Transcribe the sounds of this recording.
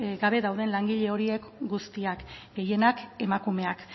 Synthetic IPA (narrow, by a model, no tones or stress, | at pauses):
ɡaβe̞ðawð̞e̞nlaŋɡiʎe̞o̞ɾie̞kɡust̪iakɡe̞je̞nake̞makume̞ak